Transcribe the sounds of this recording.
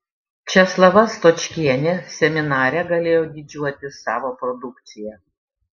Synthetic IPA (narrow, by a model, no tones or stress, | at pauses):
t͡ʃʲɛslˠɐʋɐst̪ɔt͡ʃʲkʲiɛnʲeːsʲɛmʲɪnɑːɾʲɛɡɐlʲeːjoːd̪ʲid͡ʒʲuɔt̪ʲɪsɑːʋoːpɾɔd̪ʊkt̪sʲɪjɛ